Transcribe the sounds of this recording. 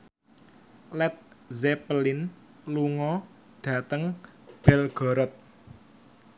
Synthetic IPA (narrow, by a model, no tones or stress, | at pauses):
lɛt̪̚zɛpəlɪn | luŋɔ | ɖ̥a̤t̪əŋ | b̥ɛlɡ̥ɔ̤ɾɔt̪̚